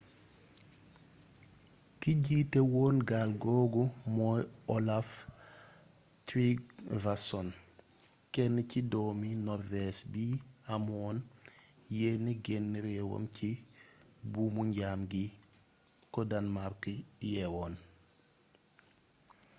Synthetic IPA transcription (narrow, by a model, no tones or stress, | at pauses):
kiɟiːtewɔːnɡalɡɔːɡumɔjɔlaf | tɾiɡvasɔn | kɛnːəcidɔːminɔɾvɛsbiamɔːn | jɛnːiɡɛnːəɾɛwo̰mci | bumuɲɟaːmɡi | kɔdanmaɾkjɛwɔːn